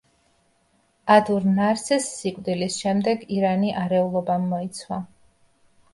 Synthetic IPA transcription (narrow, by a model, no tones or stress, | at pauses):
ad̪uɾnaɾt̪sʰɛsːikʼwd̪ilisʃɛmd̪ɛɡiɾaniʔaɾɛulˠɔbamːɔit̪sʰwa